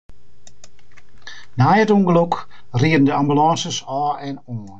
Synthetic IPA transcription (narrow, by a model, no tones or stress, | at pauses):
najətuŋɡəlokriədən̩dəambylɑ̃ːsəsɔːɛnoːn